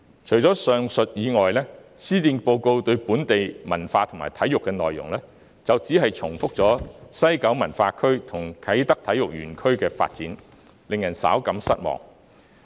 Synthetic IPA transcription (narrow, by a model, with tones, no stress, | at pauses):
t͡ʃʰɵ˨˩ɥt͡sɔː˨˥sœː˨ŋsɵ˨t̚jiː˨˧ŋɔː˨jlɛː˥siː˥t̪iː˧npo˧wko˧wt̪ɵ˧ɥpuː˨˥nt̪e˨jmɐ̰˨˩nfaː˧t̪ʰʊ˨˩maː˨˩jt̪ʰɐ˨˥jʊ˨kːɛː˧nɔː˨jːʊ̰˨˩ŋlɛː˥ | t͡sɐ˨wt͡siː˨˥ɦɐ˨jt͡sʰʊ˨˩ŋfʊ˥k̚t͡sɔː˨˥sɐ˥jkɐ˨˥wmɐ˨˩nfaː˧kʰɵ˥ɥt̪ʰʊ˨˩ŋkʰɐ˨˥jt̪ɐ˥k̚t̪ʰɐ˨˥jʊ˨k̚ɥy̰ː˨˩nkʰɵ˥ɥkɛː˧fa̰ː˧t̚t͡sḭː˨˥n | lɪ˨ŋjɐ˨˩nsa̰ː˨˥wkɐ˨˥msɐ̰˥t̚mɔ̰ː˨ŋ